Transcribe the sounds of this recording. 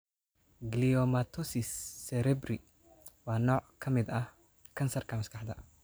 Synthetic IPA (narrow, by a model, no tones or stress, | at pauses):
ɡliɔmɐt̪ʰɔsɪsːɛɾɛbrɪ | wɑːnɔːʕkʰɐmɪd̪ɐh | kʰɐnsɐrkʰɐmɐskʰɑħd̪ɐ